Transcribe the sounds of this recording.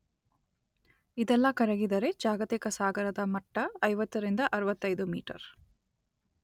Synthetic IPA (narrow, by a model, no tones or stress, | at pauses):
id̪ɛlːɐkɐɾɐɡid̪ɐɾe̞d͡ʒaːɡɐt̪ikɐsaːɡɐɾɐd̪ɐmɐʈːɐːjʋɐt̪ːɐɾind̪ɐʔɐɾuʋɐt̪ːɐjd̪umḭːʈɐ̰ɾ